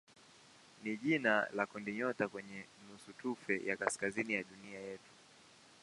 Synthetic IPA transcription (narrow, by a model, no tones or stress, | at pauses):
niʄinalakɔndiɲɔtakwɛɲɛnusutufɛjakaskazinijaɗuniajɛtu̥